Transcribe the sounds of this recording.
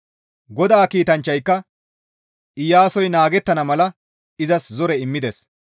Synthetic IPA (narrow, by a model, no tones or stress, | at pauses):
ɡɔd̪aːkiːt̪ɐnt͡ʃːɐjkːɐ | ʔɪjaːsɔjnaːɡɛt̪ːɐnɐmɐlɐ | ɪzɐszɔɾɛɪmːɪd̪ɛs